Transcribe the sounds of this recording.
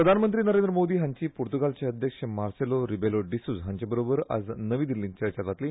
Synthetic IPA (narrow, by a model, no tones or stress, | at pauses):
pɾəd̪ʱanmənt̪̬ɾiːnəɾend̪ɾəmod̪iːɦãɲt͡ɕiːpuɾt̪uɡalt͡ɕeəd̪ʱjəkʂəmaɾseloɾibeloɖisuːd͡zɦãɲt͡ɕabəɾobəɾa̰d͡znəʋiːd̪ilint͡ɕəɾt͡ɕatat̪liː